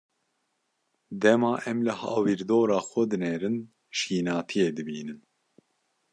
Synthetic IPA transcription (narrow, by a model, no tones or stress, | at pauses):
d̪ɛmɑːʔɛmlɨhɑ̰ːwiːɾd̪oːɾɑːxʷɛd̪ɨnɛɾɨn | ʃiːnɑːt̪ʰijed̪ɨbiːnɨn